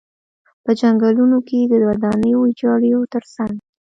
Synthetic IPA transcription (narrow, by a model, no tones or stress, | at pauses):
pəd͡ʒaŋɡalunoked̪ədwad̪ɑnəjoɪd͡ʒɑɽəjot̪əɾsaŋɡ